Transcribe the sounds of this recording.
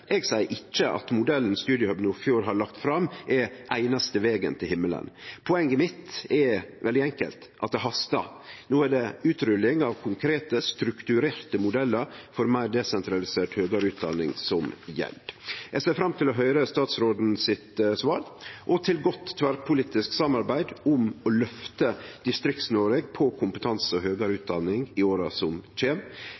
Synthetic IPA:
ʔɛɡsæɪəɾʔɪt͡ʃːəʔɑ̰t̪mʊd̪ɛlːn̩st̪ʉːd̪ɪəhœbnufjuːɾɦɑɭɑkt̪fɾɑmːʔɛʔæɪnɑst̪əʋeːɡə̰nt̪ʰɪlhɪmːələ̰npʰʊɛŋːəmɪt̪ɛʋɛld̪ɪɛŋkə̰lt̪ʔɑt̪̚d̪ɛɦɑst̪ɑ̰noːæɖɛʉːt̪ɾʏlːɪŋɑʋkʰʊŋkʰɾeːt̪əst̪ɾʉkt̪ʉɾeːɾt̪əmʊd̪ɛlːəɾfɔɾmæɪd̪ɛsɛnt̪ʰɾɑlɪseːʈhøːɡəɾʉːt̪̚d̪ɑ̰nːɪ̰ŋsɔmjɛ̰ld̪jæɪseːfɾɑmt̪ʰɪlɔɦœʏɾəst̪ɑːt̪sɾoːd̪n̩sɪt̪sʋɑːɾʔɔt̪ʰɪlɡɔt̪ːt̪ʰːʋæɾpʰʊliːt̪ɪsksɑmɑɾbæɪd̪ʊmɔlœft̪əd̪ɪst̪ɾɪkt̪snoːɾəɡpʰɔkʰʊmpət̪ʰɑnsəɔɦøːɡəɾʉːt̪̚d̪ɑnːɪŋɪoːɾɑsɔmt͡ʃeːm

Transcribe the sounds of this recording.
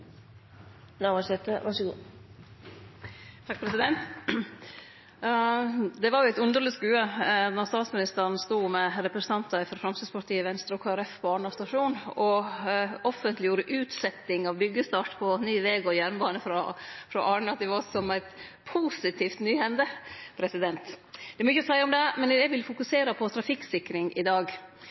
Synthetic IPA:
naʋɑʂɛt̪əʋɑʂəɡuː | t̪ʰɑk̚pʰɾɛsɪd̪ɛnt̪ | d̪ɛʋɑɾjʊæɪt̪ʉnd̪əɾɭəsɡʉːəd̪ɔɾst̪ɑːt̪smɪnɪst̪əɾn̩st̪uːmɛɾɛpɾəsn̩ʰɑnt̪ɑɪfɔɾfɾɑmsəːspɑɾʈ̪iːəʋɛnst̪ɾəɔkʰoːɛɾɛfpʰɔɑːɳɑst̪ɑʂuːnɔ | ɔfənt̪lɪjuːɾəʔʉːt̪sɛt̪ːɪŋɑʋbʏɡːəst̪ɑːʈpʰɔnyːʋɛːɡɔjæɾnbɑːnəfɾɔfɾɔʔɑːɳɑt̪ɪʋossɔmæɪt̪pʰuːsɪt̪ʰiːft̪nyːhɛnd̪əpʰɾɛsɪd̪ɛnt̪d̪ɛɾmɔʏçːəɔsæɪəɔmd̪ɛmɛnd̪ɛʋɪlfʊkʉseːɾəpʰɔt̪ʰɾɑfɪksɪkːɾɪŋʔɪd̪ɑːɡ

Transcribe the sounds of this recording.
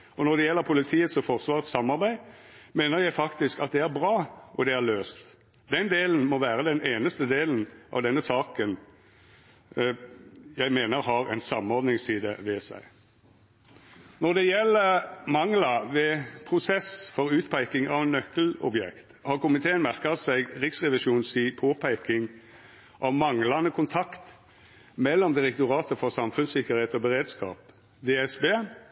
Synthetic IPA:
ɔnɔʁd̪ɛjɛlːəɾpʰʊlɪt̪ʰiːət̪sɔfɔʁsʋɑːʁət̪sɑmːɑʁbæɪmeːnəɾjæɪfɑkt̪ɪskɑt̪̚d̪ɛæɾbʁɑːʔɔd̪ɛæʁløːst̪ | d̪ɛnd̪eːln̩mɔʋæːɾəd̪ɛneːnəst̪əd̪eːln̩ʔɑ̰ʋd̪ɛnːəsɑːkən | jæɪmeːnəɾɦɑɾæ̰ɪnsɑmɔɾd̪nɪŋsiːd̪ə̰ʋɛsæ̰ɪ | nɔʁd̪ɛjɛlːəmɑŋlɑʋɛpʰʁʊsɛsfɔɾʉːt̪pʰæɪkɪŋɑʋɛnːœkəl̩ɔ̰bjɛ̰kt̪hɑːʁkʊmɪt̪ʰeːənmæʁkɑsæɪɡʁɪksʁɛʋɪʃuːnsiːpʰoːpʰæɪkɪŋ | ʔɑʋmɑŋlɑnəkʰʊnt̪ʰɑkt̪ | mɛlːɔmd̪ɪʁɛk̚t̪ʊʁɑːt̪əfɔʁsɑmfʉnsɪkːəɾheːt̪ɔbəʁeːd̪skɑ̰ːp | d̪eːɛsbeː

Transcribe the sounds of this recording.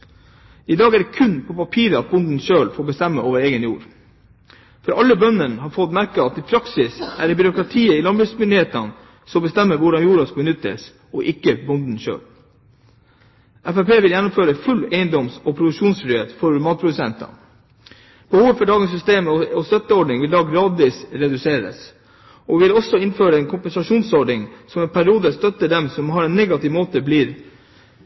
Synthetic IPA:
ɪd̪ɑːɡæɖɛkʰʉnpʰɔpɑpʰiːɾəɑt̪̚bʊnd̪n̩ʃøːlfoːɾbəst̪ɛmːəʔoːʋəɾeːɡənjṵːɾ | fɔɾʔɑlːəbœnːənhɑɾfɔt̪mæɾkəɑt̪ɪpʰɾɑksɪsæ̰ɖɛbʏɾʊkɾɑt̪ʰiːəɪlɑnbʉsmʏnd̪ɪheːt̪ɑn | sɔmbəst̪ɛmːəɾʋʊɖɑnjuːɾɑskɑbənʏt̪ːə̰s | ɔʔɪkːəbʊnd̪n̩ʃø̰ːl | ʔæfæpeːʋɪljɛnːʊmføːɾəfʉlːeɪənd̪ɔmsɔpʰɾʊd̪ʉkʂuːnsfɾʏheːt̪fɔɾmɑːt̪̚pʰɾʊd̪ʉsɛ̰nt̪ɑ̰ | b̥əhuːʋəfɔɖɑːɡənsʏst̪eːməɔɔst̪œt̪ːəɔɖɳɪŋʋɪld̪ɑːɡɾɑːd̪ʋiːsɾɛd̪ʉseːɾə̰s | ʔɔʋɪlɔsɔɪnføːɾəɛnkʰʊmpənsɑʂuːnsɔɖɳɪŋsɔmɛnpʰæɾɪuːd̪əst̪œt̪ːəd̪ɛmsɔmhɑɾɛnːɛɡɑt̪ɪːʋmoːt̪əbliːɾ

